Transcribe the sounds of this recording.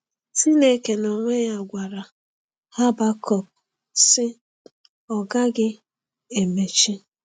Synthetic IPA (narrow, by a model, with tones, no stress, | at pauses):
si˦ne˦ke˨nɔ˨ŋʷe˦ja˦˨ɡʷa˨ɾa˨ | ha˦ba˦kɔ˦˨p̚ | sɪ˦ | ɔ˨ɡa˦ɡɪ˦ | e˨me˨t͡ʃi˦